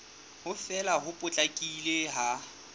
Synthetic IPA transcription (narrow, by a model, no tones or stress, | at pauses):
hʊfɛlaɦʊpʼʊt͡ɬʼakʼileɦa